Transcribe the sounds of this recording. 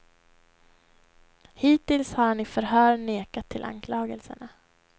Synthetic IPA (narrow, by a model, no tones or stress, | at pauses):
hiːt̪ɪlshaɾɳɪfœɾɦœːɾɳeːkat̪ʰːɪlʔa̰nkʰlɑːɡəlsə̰ɳa